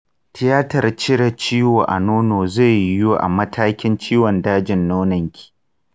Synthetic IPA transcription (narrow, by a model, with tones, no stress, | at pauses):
tɪ˦jaː˦tɐ˨rt͡ʃɪ˦ɽɐ˨t͡ʃiː˦woː˨ʔa̰˨noː˦noː˨ze˦˨ju˦ʔa̰˨mɐ˦tʰaː˦kʲɪ˦nt͡ʃiː˦wɔ˨ndaː˦d͡ʒɪ˨nːoː˦nɐ˨ŋkʲi̥ː˨